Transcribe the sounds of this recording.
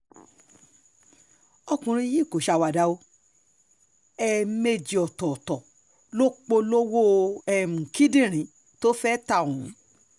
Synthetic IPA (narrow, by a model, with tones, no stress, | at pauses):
ɔ˧kũ˨ɾ̃ĩ˧ji˦˨ko˨ʃa˧˨wa˨da˨˧o˧ | ɛ˧me˧d͡ʒi˨ɔ˨tɔ˨tɔ̃˨ | lo˦k͡po˧lo˦wo˦ɛ˧m̩˨kĩ˦dĩ˦˨ɾ̃ĩ˨˦ | to˦fɛ˦ta˦˨ũ˨˦